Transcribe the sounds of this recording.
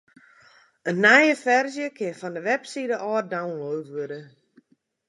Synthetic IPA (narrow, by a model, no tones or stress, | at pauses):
ənːɛjəfɛrzjəkʰɪnfɔndəʋɛpsidəʔɔːrdawnloːvʋøɾə